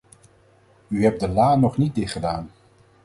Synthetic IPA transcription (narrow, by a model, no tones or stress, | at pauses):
yɦɛp̚dəlaːnɔχnit̚dɪtχədaːn